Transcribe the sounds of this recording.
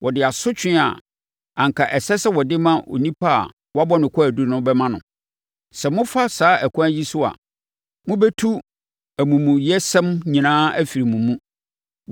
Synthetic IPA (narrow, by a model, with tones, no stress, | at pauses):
wʔɔ˨dɪ˨a˨sʊ˦t͡ɕʰᶣɪ̃˦a̰˨ | ã˨ŋkʰa˨ʔɛ˨sɛ˦sɛ˦wɔ˨dɪ˦mã˦ʔo̰˨nĩ˦pʰa˦a̰˨ | wɔ˦a˦bɔ˦nɪ̃˨kʰɔ˦æ˨du˦nʊ̃˦bɛ˦mã˦nʊ̰̃˨ | sɛ˨mʊ̃˦fa˦saː˦ʔæ˨kʰʊ̃˦æ˦ji˦sʊ˦a̰˨ | mʊ̃˦bɛ˦tʰu˦ | æ˨mũ˨mũ˨jɛ˦sɛ̃˦mɲĩ˨nãː˦æ˦fi˨ɾi˨mũ˨mːũ˦